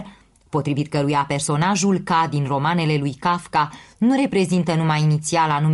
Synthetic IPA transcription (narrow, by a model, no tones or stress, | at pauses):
po̞t̪ɾivit̪̚kəɾujape̞rso̞naʒulkad̪inro̞mane̞le̞lujkafkanuɾe̞pɾe̞zint̪ənumajinit̪sialanum